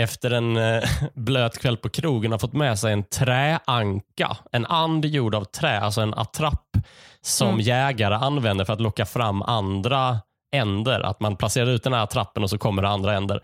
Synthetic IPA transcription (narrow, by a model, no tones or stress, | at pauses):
ɛft̪əɾɛn | bløːt̪kʰvɛlːpʰɔkʰɾuːɡənhaɾfɔt̪ːmɛsɛjɛnt̪ʰɾɛːʔaŋka̰ɛnand̪juːɖavt̪ʰɾɛːa̰lsɔɛna̰t̪ʰɾapːsɔmjɛːɡaɾəanːvɛnd̪əɾfœɾat̪lɔkːafɾamːand̪ɾa | ɛnd̪əɾʔa̰t̪manpʰlaseːɾad̪ʉt̪d̪ɛnhæːɾat̪ʰɾapːənɔsɔkʰɔmːəɖɛand̪ɾaɛnd̪ə̰ɾ